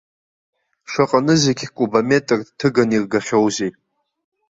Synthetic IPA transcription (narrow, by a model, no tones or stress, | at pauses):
ʃaqʼanɨzeɡʲkʷʼubame̞tʼɨrtʰɨɡanirɡaχʲowzejʼ